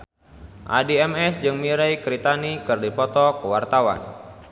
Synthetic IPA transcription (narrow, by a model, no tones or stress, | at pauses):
ʔa̰diɛmɛsd͡ʒɨŋmiɾɛjkɾit̪anikɨrdipɔt̪ɔkəwart̪awa̰n